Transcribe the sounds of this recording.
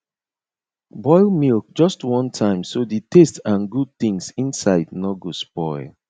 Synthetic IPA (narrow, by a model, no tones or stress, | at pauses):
bɔɪlˠmilk̚d͡ʒɔstwɔ̃ntʰãɪ̃msoditʰestãnɡud̚θĩŋsĩnsaɪdnɔɡospɔɪlˠ